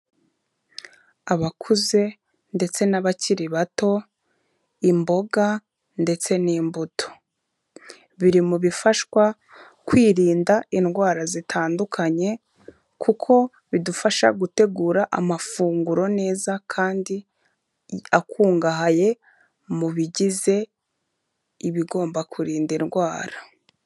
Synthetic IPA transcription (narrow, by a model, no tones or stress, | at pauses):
aβakʰuze̞ | nde̞t͡se̞naβaciɾiβato̞ | imbo̞ɡa | nde̞t͡se̞niːmbutʰo̥ | βiɾimuβifaʃwa | kwiːɾiːndainɡwaːɾazitʰaːndukʰaɲe̞ | kʰukʰo̞ | βidufaʃa̰ɡute̞ɡuːɾaʔa̰mafuːŋɡuɾo̞ne̞ːzakʰaːndi | akuːŋɡaɦaje̞ | muβiɟize̞ | iβiɡo̞ːmbakuɾiːndinɡwaːɾa